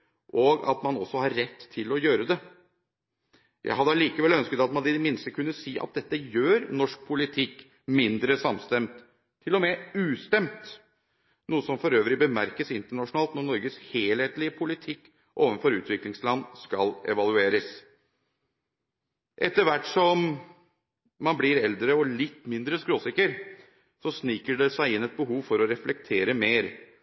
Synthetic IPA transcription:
ʔoɡɑ̰t̪mɑnɔsːɔhɑɾːɛt̪ʰːɪlɔjøːɾəd̪ɛ | jʔæ̰ɪɦɑd̪əliːkəʋɛlœnskət̪ɑt̪mɑɑd̪əd̪ɛmɪnst̪əkʰʉnːəsiːʔɑ̰t̪̚d̪ɛt̪ːəjøːɾnɔʂk̚pʰʊlɪt̪ʰɪkː | mɪnd̪ɾəsɑmst̪ɛmt̪ʰː | ɪlːɔmɛʉːst̪ɛmt̪ | nuːəsɔmfɔɾøːʋɾɪbəmæɾkəsɪnt̪əɳɑʂʊnɑːlt̪nɔnɔɾɡəsheːlheːt̪lɪəpʰʊlɪt̪ʰɪkː | ʔoːʋənfɔɾʉ̰ːt̪ʋɪklɪŋslɑnːskɑlɛ̰ʋɑlˠʉeːɾəs | ʔɛt̪ːəɾʋæʈsɔm | ɑnblɪɾɛld̪ɾəɔlɪt̪ːmɪnd̪ɾəskɾoːsɪkəɾ | sɔsniːkəɖɛsæɪɪnːɛt̪̚bəɦuːʋfɔɾɔɾɛflɛk̚t̪ʰeːɾəmeːɾ

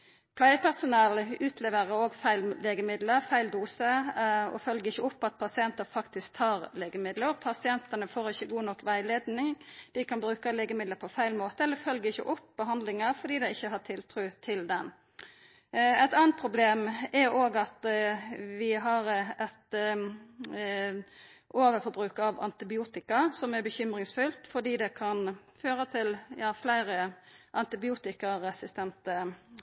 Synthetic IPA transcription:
pʰlæɪəpʰæsʊnɛlʉːt̪ʰlɛːʋəɾəoːɡfæɪlleːɡəmɪd̪ləɾfæɪld̪uːsəɔ̰fœlɡəɪçːəʊpːɑt̪̚pʰɑsɪɛnt̪əɾfɑkt̪ɪskt̪ʰhɑːɾleːɡəmɪd̪ləɾɔpʰɑsɪɛnt̪ənəfoːɾɪçːəɡuːnɔkːʋæɪleːd̪nɪŋd̪̥ɪkʰɑnbɾʉːkəleːɡəmɪd̪ləpʰɔfæɪlmoːt̪əɛlːəfœlɡəɪçə̰ʔʊpːbəɦɑnd̪lɪŋəɾfɔɖiːd̪ɛɪɪçːəɦɑt̪ʰɪlt̪ʰɾʉːt̪ʰɪld̪ɛn | ɛɪt̪ɑːnt̪̚pʰɾʊbleːmɛɾoːɡɑt̪ | ʋɪɦɑɾɛt̪ | ʔoːʋəɾfɔbɾʉːkɑʋɑ̰nt̪ɪbɪuːt̪ɪkɑsɔmæɾbəçʏmɾɪŋsfʉlt̪fɔɖiːd̪ɛkʰɑnføːɾət̪ʰɪljɑːflæɪɾəʔɑnt̪ɪbɪuːt̪ɪkəɾɛsɪst̪ɛnt̪ə

